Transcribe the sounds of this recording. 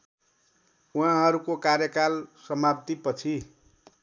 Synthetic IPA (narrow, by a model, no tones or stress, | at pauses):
ũɦãɦʌɾukokaɾjʌkalsʌmapt̪ipʌt͡sʰi